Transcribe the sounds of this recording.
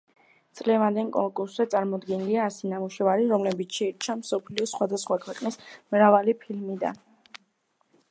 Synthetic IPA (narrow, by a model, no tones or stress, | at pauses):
t̪sʼlɛvand̪ɛnkʼɔŋkʼuɾszɛt̪sʼaɾmɔd̪ɡɛniliaːsinamuʃɛvaɾiɾɔmlɛbit̪ʰʃɛiɾt͡ʃʰamsɔpʰliɔsχwad̪asχwakʰwɛqʼnismɾavalipʰilmid̪a̰n